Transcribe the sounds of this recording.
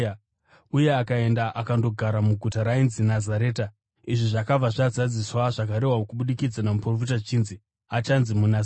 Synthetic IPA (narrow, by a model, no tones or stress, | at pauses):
uje̞akae̞ndaʔakando̞ɡʱaɾamuɡʱutaɾainzinazaɾe̞ːta | iʐiʐakab͡vaʐazad͡ziswaʐak̬aɾe̞ɦwaokuɓuɗikid͡zanamuprofitat͡ʃiːnzi | at͡ʃanzimuna